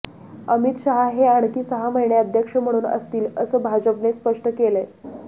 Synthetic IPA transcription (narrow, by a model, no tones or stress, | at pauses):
əmit̪ɕaɦaɦeaɽkiːsəɦaməjɳjaəd̪ʱjəkʂəm̤əɽ̃uːnə̰st̪iːləsəːbʱad͡ʑəpnespəʂʈəkele